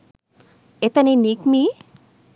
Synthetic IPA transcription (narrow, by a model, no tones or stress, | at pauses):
et̪aninikmi